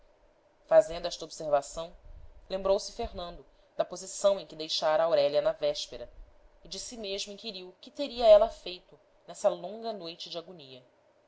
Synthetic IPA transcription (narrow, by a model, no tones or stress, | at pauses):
fazẽnd̪ʊɛʃt̪ɐobseɾvasɐ̃w̃lẽmbɾowsɪfeɦnɐ̃nd̪ʊ | d̪ɐpozisɐ̃w̃ẽj̃kɪd̪ejʃaɾɐːwɾɛlʲɐnɐvɛʃpeɾɐ | ɪd͡ʒɪsimeʒmʊĩkiɾiwkɪt̪eɾiɐɛlɐfejt̪ʊ | nɛsɐlõŋɡɐnojt͡ʃɪd͡ʒɪaɡuniɐ